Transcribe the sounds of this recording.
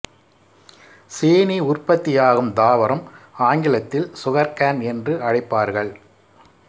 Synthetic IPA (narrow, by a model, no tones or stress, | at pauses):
seːniʊrpɐt̪ːɪjaːɣɯmd̪aːʋɐɾɐmaːŋɡɪlɐt̪ːɪlsʊɣɐɾkaːnɛndrɯʔɐɻɪpːaːɾɣɐɭ